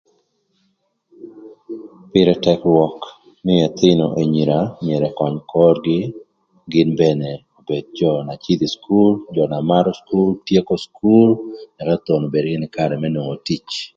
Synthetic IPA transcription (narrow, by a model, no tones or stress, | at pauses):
pɪɾɛtɛkwɔk | nɪjɛt̪ɪnoʔeɲiɾamɪɛɾɛkwaɲkʰɔɾɡɪ | ɡɪnbɛneobed̚d͡ʒɔnat͡ʃid̪iskʰuld͡ʒɔnamaɾoskultjekoskʰulnɛkat̪onobeɾɡɪnɪkaɾɛmɛnoŋotit͡ʃ